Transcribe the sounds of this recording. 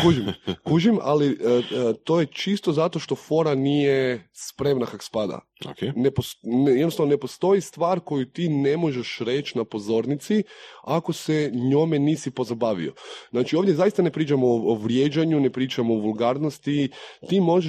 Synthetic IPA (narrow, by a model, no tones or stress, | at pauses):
kuʒimkuʒima̰li | t̪o̞jet͡ʃist̪ozat̪o̞ʃt̪o̞fo̞ɾanijespɾe̞mnakako̥spad̪a̰ | okeneposjednosaʋnonepo̞st̪o̞jist̪ʋaːɾko̞jut̪inemo̞ʒeʃɾe̞t͡ʃnapo̞zo̞ɾnit̪siako̞seɲo̞meniːsipo̞zabaːʋḭo̰znaːt͡ʃio̞ʋdjezajist̪anepɾiːt͡ʃamooʋɾjed͡ʒaɲune̞pɾiːt͡ʃamoʋulˠɡaɾno̞st̪it̪imo̞ʒe